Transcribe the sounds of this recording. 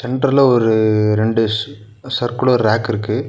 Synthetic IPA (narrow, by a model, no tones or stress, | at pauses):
sɛɳɖɾɪlɐɔɾɯɾɛɳɖɯ | sɐɾkɯɽɐɔɾɯɾaːkɪɾɯkːɯ